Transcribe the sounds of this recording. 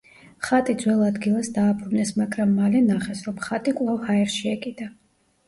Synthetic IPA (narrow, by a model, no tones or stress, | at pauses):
χat̪ʼid̪zwɛlˠad̪ɡilˠasd̪aːpʰɾunɛsmaɡɾamːalɛnaχɛsɾɔmχat̪ʼikʼwlˠavhaɛɾʃiɛkʼid̪a